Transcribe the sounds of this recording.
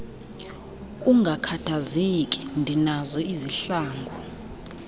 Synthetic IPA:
uŋɡʱakʰatʰazekʼi̥ndʱinazɔiziɬaːŋɡʱɔ

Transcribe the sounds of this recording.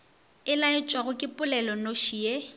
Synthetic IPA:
ɪlaɪt͡ʃʼwaɣʊkʼɪpʼʊlɛlɔnoʃie

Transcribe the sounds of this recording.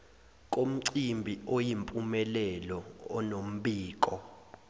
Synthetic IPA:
k̬ʼom̩ǀimbʱiojimpʼumɛlɛlɔɔnom̩ɓiːkɔ

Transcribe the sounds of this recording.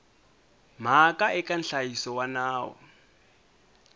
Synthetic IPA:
m̤akʼaʔɛkʼanɬajisɔwanaːwɔ̰

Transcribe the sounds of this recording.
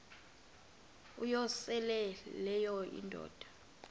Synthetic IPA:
ujɔsɛlɛlɛjɔḭndʱɔ̰ːd̥ʱḁ

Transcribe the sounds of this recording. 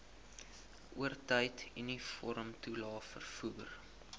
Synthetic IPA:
ʔuərtəjtinifɔɾəmtulɑːfə̰rfuːr

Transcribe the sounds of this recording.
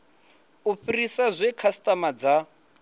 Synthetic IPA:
ufirisazʷekʰastʼamad͡za

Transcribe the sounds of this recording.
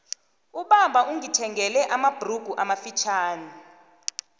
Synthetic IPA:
uɓambʱaʔuŋitʰɛŋɡɛlɛʔamab̥ʱruɡ̥ʱuʔamafit͡ʃʰaːni

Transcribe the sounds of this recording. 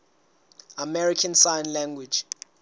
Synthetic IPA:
amɛɹikʰansajnlɛ̃ŋɡwi̥d͡ʒ

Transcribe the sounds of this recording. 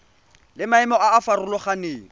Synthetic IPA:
lɪmaɛmɔaːfarʊlɔχaneːŋ̩

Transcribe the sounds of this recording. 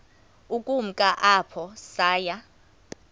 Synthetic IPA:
ukʼum̩kʼaʔapʰɔsaːja

